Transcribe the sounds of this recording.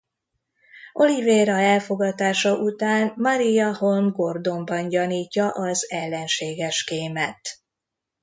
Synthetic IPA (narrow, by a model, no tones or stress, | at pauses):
o̞liveːɾɒɛlfo̞ɡɒt̪aːʃɒʔut̪aːnmɒɾijɒho̞lmɡo̞rd̪o̞mbɒnɟɒniːcːɒʔɒzɛlːɛnʃeːɡɛʃkeːmɛt̪